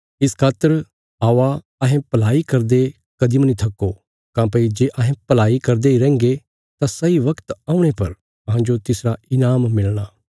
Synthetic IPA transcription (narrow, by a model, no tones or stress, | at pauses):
ɪskʰaːt̪əɾ | aːʋa | ɐɦẽpɐlaːikɐɾd̪e | kɐd̪imɐnit̪ʰɐkːo | kãːpɐid͡ʒeːʔɐɦẽpɐlaːikɐɾd̪eiɾɛ̃ːŋɡe | t̪ãsɐiʋɐkt̪aːũɽ̃epɐɾ | ɐɦãd͡ʒot̪ɪsɾaɪnaːmːɪlɽ̃aː